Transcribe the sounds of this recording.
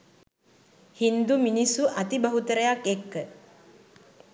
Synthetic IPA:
hind̪uminisuʔɐt̪ibɐɦut̪əɾəjakːekːə

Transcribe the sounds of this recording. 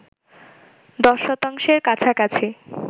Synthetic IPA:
d̪ɔʃːɔt̪aŋʃeɾkat͡ɕʰakat͡ɕʰe

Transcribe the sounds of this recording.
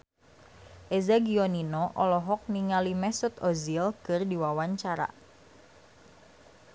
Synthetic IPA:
ʔezaɡioninɔʔɔlɔɦɔk̚niŋalimɛsʊt̪ɔzilkɨrdiwawaɲt͡ʃaɾa̰

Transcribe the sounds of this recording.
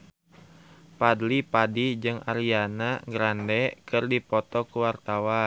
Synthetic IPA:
padlipadid͡ʒɨŋʔaɾianaŋɡɾandɛkɨrdipɔt̪ɔkuwart̪awa

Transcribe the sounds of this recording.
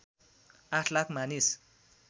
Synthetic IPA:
aʈʰlakʰmanis

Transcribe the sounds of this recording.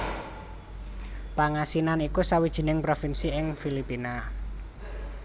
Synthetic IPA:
paŋasinanikusawid̥ʒ̥i̤nɪŋpɾofinsiɪŋfilipina

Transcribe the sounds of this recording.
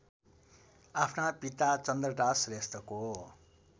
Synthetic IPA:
apʰnapit̪at͡sʌnd̪rʌʈasrest̪ʌko

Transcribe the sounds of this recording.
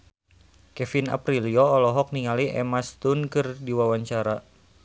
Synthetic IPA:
kɛfina̰pɾiliɔːlɔɦɔk̚niŋaliʔɛ̰mast̪unkɨrdiwawaɲt͡ʃaɾa

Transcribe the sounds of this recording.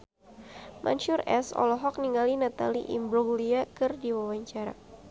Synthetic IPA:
mʔa̰ɲʃʊrɛsɔ̰lɔɦɔk̚niŋalinat̪alḭʔḭmbɾɔɡliakɨrdiwawaɲt͡ʃaɾa̰

